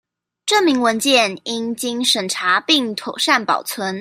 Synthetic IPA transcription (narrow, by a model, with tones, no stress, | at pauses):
ʈ͡ʂɤ˥˩mi˧˥ŋwə˧˥nt͡ɕjɛ˥˩ni˥nt͡ɕi˥ŋʂə˨˩nʈ͡ʂʰa˧˥pi˥˩ŋt̪ʰo˨˩ʊʂa˥˩npɑ̰˨˩ʊt͡sʰwə˧˥n